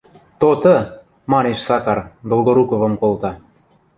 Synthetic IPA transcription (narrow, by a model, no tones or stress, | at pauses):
t̪ot̪ɤ̆ | mɑneʃsɑkɑrd̪olˠɡoɾukovɤ̆mkolt̪ɑ